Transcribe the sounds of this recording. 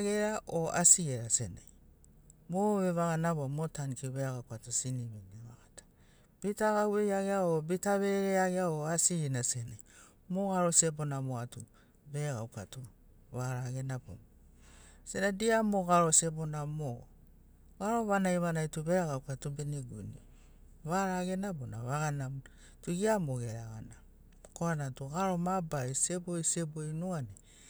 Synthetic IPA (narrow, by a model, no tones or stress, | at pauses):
ɡeɾaʔoasieɾasena̰j | moβeβaɣanaβoamotankiβeɡawkatosiniβeneβaɡatḁ | b̥itaɡawejaɡeaobitaβeɾeaɡeaoasinasenaj | moɡaɾo̞sebonamoatu | beɡawka̰to | βaɾaɡe̞nabo̰mo | senadiamoɣaɾosebonamo | ɡaɾoβanajβanajtuβeɾaɡaukatobeneɡṵnḭ | βaɾaɡe̞nabona̰βaɡanam | tuɡiamoɡeɾaɡa̰na | koanatuɡaɾo̞mabaisebojsebojnoane